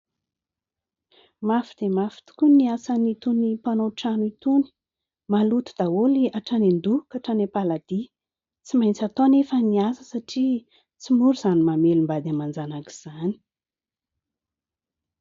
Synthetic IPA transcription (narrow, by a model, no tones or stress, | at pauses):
mafid̪̥emafi̥t̪u̥kʲuniasanit̪unipanoʈ͡ʂanuit̪uni̥ | malut̪u̥d̪̥aoliaʈ͡ʂanend̪ukaʈ͡ʂanepalad̪̥i | t͡simajnt͡sat̪onefəniasəsaʈ͡ʂi | t͡simuɾuz̥animamelimbad̪amand͡zanaki̥z̥ani̥